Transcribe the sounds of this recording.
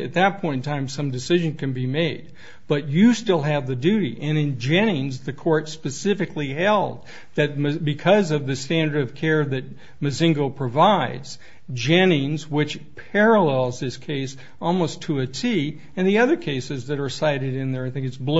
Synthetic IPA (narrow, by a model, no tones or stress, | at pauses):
ɨ̰t̪̚ðɨt̚pʰɔ̃ɪ̃n̩tʰãɪ̃msʌ̃mdɨsɪʒɨ̃nkɨ̃nbimeɪd̚ | b̥ʌt͡ʃɨstɪlˠɨvðɨdʉɾḭʔɨ̃nɨ̃nd͡ʒɛñĩnzðɨkʰɔɹtspɨsɪfɨkliɦɛlˠd̪̚ | ðɨt̚mɨbɨkʰʌzʌvðɨstæ̃ndə˞ɾʌv̥kʰɛɹðɨt̚ | mɨzɪ̃ŋɡoʊpʰɹ̥ɨvaɪdz̥ | d͡ʒɛ̃nĩnzwɪt͡ʃpʰɛɹəlɛlˠzðɪskʰeɪs | ɔlˠmoʊstʰəɨtʰi | ɨ̃nðiʌðə˞kʰeɪsɨzðɨɾə˞saɪɾɨɾɪ̃nðə˞aɪθɪ̃ŋkɨtsbl